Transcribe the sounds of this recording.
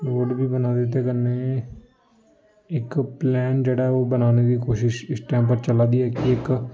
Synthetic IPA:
ɾoːɖbiːbənaːd̪ɪt̪̬eːkəneː | ɪkplɛːnd͡ʒeːɽaːɛoːbənaːneːd̪iːkoːʃɪʃɪsʈɛ̃ːmp̬əɾt͡ʃəlaːd̪iːɛːkɪɪk

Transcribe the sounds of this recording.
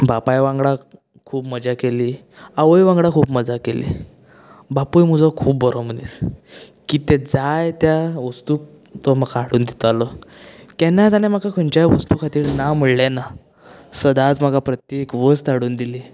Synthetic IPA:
bapajʋãŋɡɽa | kʰuːpməd͡ʑakeliː | aʋəjʋãŋɡɽakʰuːpməd͡zakelḭ | bapujm̤ud͡zɔkʰuːbbəɾɔm̤ənḭːskit̪ed͡zajt̪jaʋəst̪uːk̚ | t̪ɔmakʰaaɽuːnd̪it̪alɔk̪ɛnːat̪anem̤akakʰəɳt͡ɕajʋəst̪ukʰat̪iːɾnaməɭlɛna | səd̪at͡sm̤akapɾət̪jekʋəst̪aɽuːnd̪ili

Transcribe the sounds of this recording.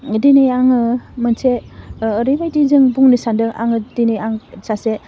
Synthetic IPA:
dinejaŋɯmɯnseːɾibajtizɯŋbuŋnisandɯʔa̰ŋɯdinejaŋsase

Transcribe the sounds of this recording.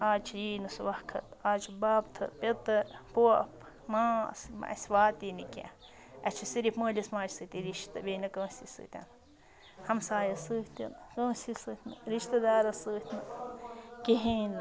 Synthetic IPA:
at͡ʃʰinɨswakʰə̰t̪at͡ʃubap̚t̪ʰɨ̰pet̪əpuap | mãsmã̰ʔsʲbat̪inikʲja̰ | at͡ʃʰisiɾipməlʲismãt͡ʃsɨt̪ʲiɾiʃt̪abenakɨsisɨ̰t̪ʲa̰n | hamsajasɨt̪ʲa̰nkəsisɨt̪ʲnɨɾiʃt̪ad̪aɾasɨt̪ʰna | keɦẽn

